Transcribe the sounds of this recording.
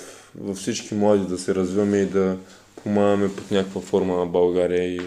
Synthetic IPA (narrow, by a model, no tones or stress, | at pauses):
vɐfsit͡ʃkʲimlˠad̪id̪ɐsɛɾɐzvivɐmɛid̪ɐ | pʰomaɡɐmɛpot̪nʲakə̥kvɐfɔɾmənɐbɐlˠɡaɾiəi